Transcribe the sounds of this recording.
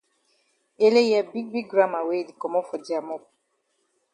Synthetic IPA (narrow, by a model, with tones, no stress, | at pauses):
e˦le˦ja˦˨bi˦ɡ̚bi˦ɡ̚ɡɾa˦ma˨we˦˨li˨kɔ˨mɔ˦fɔ˨d͡ʒi˦a˨mɔ˦k̚